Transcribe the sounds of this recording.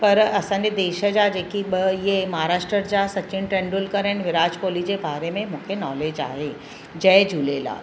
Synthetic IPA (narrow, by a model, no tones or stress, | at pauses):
pɐɾɐsãːned̪eːʃəd͡ʒaːd͡ʒekibjemɐɦaɾaːʃʈɾəɾd͡ʒaːsɐt͡ʃɪɳʈɾẽɳɖulkəɾẽɳʋɪɾaːd͡ʒkoːlid͡ʒebʱaːɾemẽmʊ̃kʰenɔːleːd͡ʒa̰ːɦe | d͡ʒɛjd͡ʒuːleːla̰ː